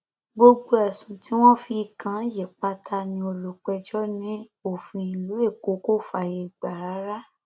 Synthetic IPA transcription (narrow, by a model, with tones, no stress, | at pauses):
ɡ͡bo˧ɡ͡bo˧˦ɛ˨sũ˨ti˨˦w̃ɔ̃˦fi˧kã˨˦je˨k͡pa˧tʰa˧nĩ˧o˧lo˨k͡pɛ˧d͡ʒɔ˦nĩ˦ | o˦˨fĩ˧ĩ˨lu˨˦e˦˨ko˨˦ko˦fa˧˨je˧˨ɡ͡ba˨ɾa˨˦ɾa˦